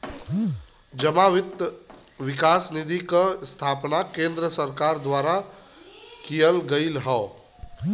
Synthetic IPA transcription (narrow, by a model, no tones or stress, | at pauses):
d͡ʒəmaʋɪt̪ | ʋɪkaːsnid̪ʱikst̪ʰaːpnakẽnd̪ɾəsəɾkaːɾd̪waːɾa | kijəlɡəɪlɦɔː